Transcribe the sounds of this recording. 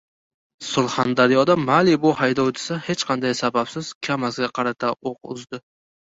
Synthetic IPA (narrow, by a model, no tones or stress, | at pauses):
sʊlˠhand̪aɾijɒd̪amalɪbʊhajd̪ɒwd̪ɪsahe̞t͡ʃqʰɑnd̪ajsabapsɪz̥kʲʰamasɡʲaqʰɑɾat̪ʰaoqʊ̰zd̪ɪ